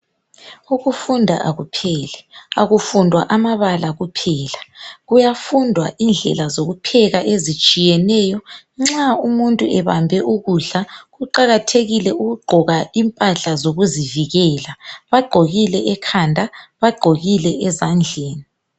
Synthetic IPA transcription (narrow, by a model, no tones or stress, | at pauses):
uɣufundʱa̰ʔaɣupʰɛːlɛaɣufundʱwaʔamaβalaɣupʰɛːlaɣujafundʱwa̰ʔind͡ɮʱɛ̰lazoɣupʰɛɣaʔezit͡ʃʼijɛnɛːjɔ | ŋ͡ǁaumuntʼuɛβambʱɛʔuɣuɮaɣuǃaɣatʰeɣilɛuɣuɡ͡ǃʱɔɣaimpʼaɬazoɣuziviɣɛːlaβaɡ͡ǃʱoɣilɛʔɛkʰandʱaβaɡ͡ǃʱoɣilɛʔɛzand͡ɮʱeːni